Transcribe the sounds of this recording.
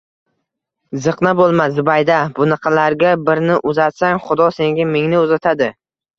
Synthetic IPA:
zɨqnabolˠmazʊbajd̪abʊnɨqʰɑlaɾɡʲabɪɾnɪʔʊzat̪saŋχʊd̪ɒse̞ŋɡʲamɪŋnɪozat̪ʰad̪ɪ

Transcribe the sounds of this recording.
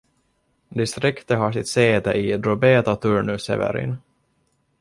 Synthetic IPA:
d̪ɪst̪ɾɪkt̪əɦasɪt̪seːd̪əʔid̪ɾɔbeːt̪at̪ʰɵɳɵsɛ̰vɛ̰ɾɪ̰n

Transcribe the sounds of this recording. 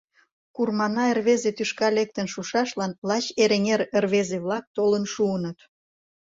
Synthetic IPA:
kurmɑnɑerβezet̪yʃkɑlek̚t̪ənʃuʃɑʃlɑnlɑt͡ɕeɾeŋeɾerβezeβlɑk̚t̪olənʃuənət̪

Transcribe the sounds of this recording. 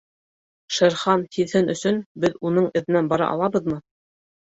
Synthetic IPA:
ʃɤ̆ɾχɑnt̪iðhɘnɵ̆sɵnbɘðunɤɴɘ̆ðɘ̆nænbɑɾɑ̰ʔɑ̰lˠɑβɤ̆ðmɤ

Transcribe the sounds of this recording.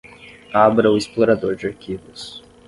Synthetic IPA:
abɾɐʊɪsploɾad̪oɾd͡ʒɪaɾkʰivʊs

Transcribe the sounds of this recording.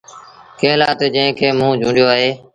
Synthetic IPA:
kẽːlaːt̪eːd͡ʒə̃ɦɪ̃kʰeːmũːd͡ʒʱũːɳɖɪjoːaːɦeː

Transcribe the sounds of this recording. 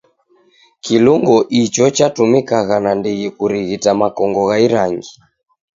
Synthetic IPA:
kiluŋɡɔʔit͡ʃɔt͡ʃatumikaɣanandiɣikuɾiɣitamakɔŋɡɔɣaiɾaŋɡi

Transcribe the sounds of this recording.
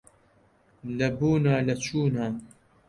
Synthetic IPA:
lɐbuːnaːlɐt͡ʃʰuːnaː

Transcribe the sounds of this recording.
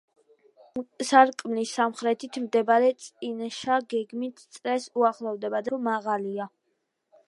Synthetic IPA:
saɾkʼmlisamχɾɛt̪ʰit̪ʰmd̪ɛbaɾɛt̪sʼinʃaɡɛɡmit̪ʰt̪sʼɾɛsuaχlˠɔvd̪ɛbad̪ɔmaʁalia

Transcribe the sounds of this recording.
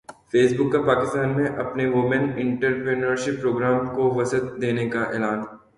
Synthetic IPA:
feːsbʊkːapaːkɪst̪aːnmẽʔɐpneʋʊmə̃nɪ̃ɳʈəɾpɾɪnəɾʃɪpːɾoːɡɾaːmkoʋɐsət̪̚d̪eːnekaʔɛ̰ːlaːn

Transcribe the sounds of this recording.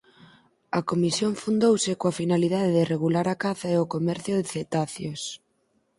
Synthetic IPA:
ɐkomisjoŋfund̪owsɪkoafinaliðaðeðɪreɣulaɾakaθaeʊkomɛɾθjʊðɪθet̪aθjos

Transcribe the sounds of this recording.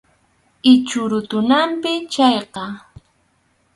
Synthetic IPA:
ɪt͡ʃʊɾʊt̪ʊnampɪt͡ʃaɑjqɑ

